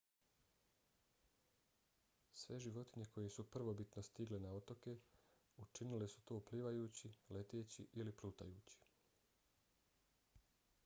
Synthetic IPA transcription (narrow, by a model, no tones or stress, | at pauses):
sʋe̞ʒiʋo̞t̪iɲe̞ko̞jesupr̩ʋo̞bit̪no̞st̪iɡlenaot̪o̞ke̞ | ut͡ʃinilesu̥t̪oːupliːʋajuːt͡ɕile̞t̪eːt͡ɕḭʔilipluːt̪a̰juːt͡ɕi̥